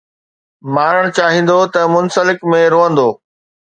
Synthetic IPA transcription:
maːɾəɽ̃t͡ɕaːɦĩːn̆d̪ot̪ɐmʊnsəlɪkmẽɾoːə̃nd̪oː

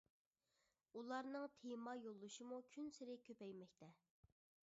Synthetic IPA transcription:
ulˠɑɾnɨŋt̪ʰemɑjolˠːuʃimukʲʰynsɪɾɪkʲʰøpɛjmɛkʲt̪ʰɛ

